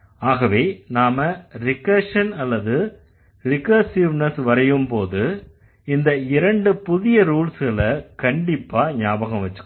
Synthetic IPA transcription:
aːɣɐʋeːnaːmɐɾɪkːɐʂɐnɐlːɐðɯ | ɾɪkɐːsiʋnɐsʋɐɾɐjɯmpoːðɯ | ɪnd̪ɐɪɾɐɳɖɯpʊðɪjɐɾuːlsɣɐɭɐkɐɳɖɪpːaːɲjaːbɐɣɐ̃mʋɐt͡ʃːɯ̥kː

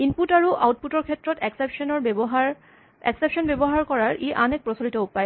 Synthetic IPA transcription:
inputaɹuʔawt̚putɔɹkʰetːɹɔtɛksepʃɔnɔɹɦ | ɛ̰ksepʃɔnbebɔɦaɹkɔɹaɹʔeʔanek̚pɹɔsolitɔupaj

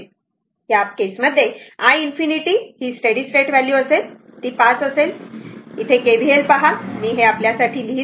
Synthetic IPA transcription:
ɦjap̚kesməd̪ʱːjeajinfiniʈiːhiːsʈəɽisʈɾeʈʋæljuəsel | t̪iːpasəselit̪ʰekebʱielpaɦamiːɦeapljasaʈʰiːliː

